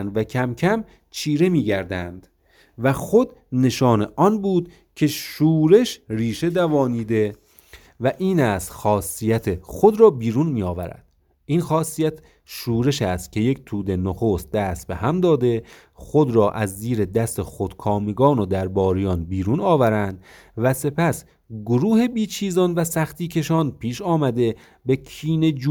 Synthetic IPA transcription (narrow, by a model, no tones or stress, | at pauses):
nd̪væcʰæmcʰæm | t͡ʃʰiːɾe̞miːɟæɾd̪ænd̪̥ | væxod̪ne̞ʃɒːneʔɒnbuːd̪ | cʰe̞ʃuːɾe̞ʃriːʃe̞d̪ævɒːniːd̪e̞ | væʔiːnæːst̪xɒːsːijæt̪ʰexod̪ɾɒːbiːɾunmiːjɒːvæɾæ̰d̪̥ | iːnxɒːsːijæt̪ʰ | ʃuːɾe̞ʃæst̪̚cʰe̞je̞kt̪ʰuːd̪e̞noxoːst̪̚d̪æst̪̚behæmd̪ɒːd̪e̞ | xod̪ɾɒːʔæzːiːɾe̞d̪æst̪exod̪̥kʰɒːmeɡɒːnod̪æɾbɒːɾijɒːnbiːɾunɒːvæɾænd̪̥ | væse̞pʰæs | ɡoɾuːhe̞biːt͡ʃʰiːzɒnvæsæxt̪iːcʰe̞ʃɒːnpʰiːʃɒːmæd̪e̞ | be̞kʰiːne̞d͡ʒ